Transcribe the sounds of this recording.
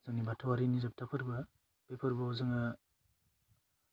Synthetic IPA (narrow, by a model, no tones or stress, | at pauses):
zɯŋnibatʰawaɾinizap̚tʰapʰɯɾbɐ | b̥epʰɯɾbɐɔzɯŋa